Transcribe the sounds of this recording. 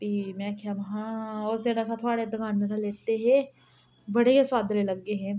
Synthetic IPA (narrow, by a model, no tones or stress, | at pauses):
pimɛ̃ːkʰaʋɐɦãʊsd̪enas̬ãt̪ʰoaɽed̪ɐɡaːnd̪enaleːt̪eɦɛ̃ | bɐɽeɦeswaːd̪ʱɾẽlɐɡeɦɛ̃